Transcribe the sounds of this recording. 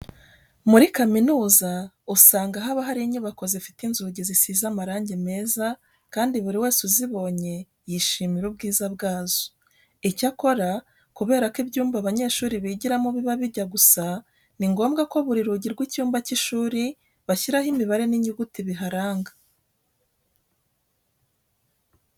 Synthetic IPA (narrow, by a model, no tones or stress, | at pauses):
muɾikaminuːza | usaːŋɡaɦaβaɦaɾiɲuβako̞zefi̥tinzuɟizisizamaɾaːɲɟeme̞ːza | kaːndiβuɾiwe̞ːsuziβo̞ːɲe̞ | jiʃiːmiɾub̚ɡiːzaβɡaːzo̥ | icako̞ɾa | kuβe̞ːɾakibɟuːmbaβaɲe̞ːʃuːɾiβiɟiɾamuβiβaβiɾɟaɡusa | niŋɡo̞ːmɡako̞βuɾiɾuɟiɾɡwicuːmbaciʃuːɾi | βaçiɾahimiβaɾe̞niɲiɡutiβiɦaɾaːŋɡa